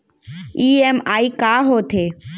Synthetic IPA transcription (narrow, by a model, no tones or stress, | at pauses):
iːemaːiːkaːɦoːt̪ʰeː